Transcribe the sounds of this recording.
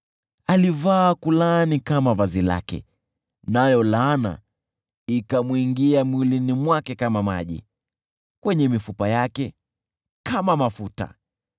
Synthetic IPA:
alivaːkulanikamavazila̰kɛ̰ | najɔlana̰ | ikamwiŋɡiamwilinimwakɛkamama̰ʄḭ | kwɛɲɛmifupajakɛ | kamamafuta̰

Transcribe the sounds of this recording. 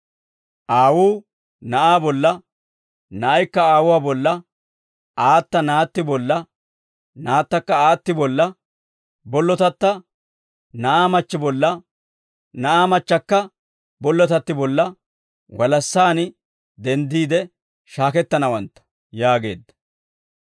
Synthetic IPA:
ʔaːwuː | nɐʔaːbɔlːɐ | nɐʔɐjkːɐaːwʊwaːbɔlːɐ | ʔaːt̪ːɐnaːt̪ːɪbɔlːɐ | naːt̪ːɐkːɐaːt̪ːɪbɔlːɐ | bɔlːɔt̪ɐt̪ːɐ | nɐʔaːmɐt͡ʃːɪbɔlːɐ | nɐʔaːmɐt͡ʃːɐkːɐ | bɔlːɔt̪ɐt̪ːɪbɔlːɐ | wɐlɐsːaːn | d̪ɛnd̪iːd̪ɛ | ʃaːkɛt̪ːɐnɐwɐnt̪ːɐ̥ | jaːɡe̞̰ːd̪ːɐ̥

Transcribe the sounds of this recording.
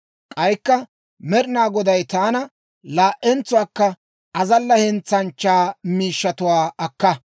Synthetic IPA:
kʼɐjkːɐ | mɛɾɪnaːɡɔd̪ɐjt̪aːnɐ | laːʔɛnt͡sːʊwaːkːɐ | ʔɐzɐlːɐhɛnt͡sːɐnt͡ʃːaːmiːʃːɐt̪ʊwaːɐkːɐ

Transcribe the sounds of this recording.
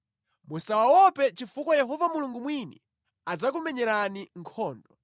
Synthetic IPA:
musawawɔpɛt͡ʃifukwɔjɛɦɔvamuluŋɡumwini | ad͡zak̬umɛɲɛɾaniŋkʰɔːndɔ

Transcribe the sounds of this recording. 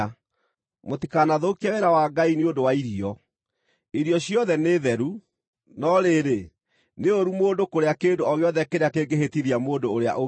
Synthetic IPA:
motikanaðokiaweɾawaɡainiondowaiɾiɔ | iɾiɔɕiɔðɛneðɛɾu | nɔɾeɾe | neoɾumoːndokoɾeakeːndoɔɣeɔðɛkeɾeakeɡeɦetiðiamoːndoːɾea̰ʔo

